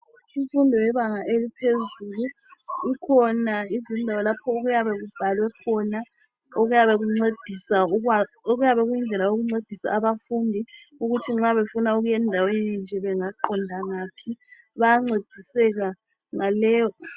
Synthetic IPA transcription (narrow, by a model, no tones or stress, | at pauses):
ufundʱɔwɛβaŋaʔelipʰezuluː | kʰɔnaizindʱawalapʰɔoɣujaβɛɣub̥ʱalwɛkʰɔna | oɣujaβeɣuŋ͡ǀed̥ʱisa | oɣujaβɛɣujind͡ɮʱɛlajoɣuŋ͡ǀed̥ʱisa̰ːβafundʱi | uɣutʰiŋ͡ǁaβefunauɣujɛndʱawenind͡ʒʱɛβɛŋaǃɔndʱaŋaːpʰi | βajaŋ͡ǀed̥ʱisɛɣa | ŋalɛːjɔ